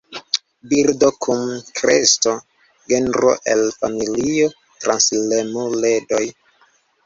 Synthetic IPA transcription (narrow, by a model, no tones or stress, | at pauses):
biɾdokʰumkɾḛsto | ɡe̞nɾo̰ʔḛlfa̰milio | tɾanslemole̞do̞j